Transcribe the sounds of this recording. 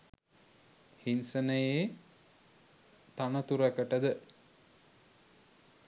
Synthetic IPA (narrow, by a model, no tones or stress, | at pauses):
hinsənəje | t̪anət̪uɾækəʈəd̪ə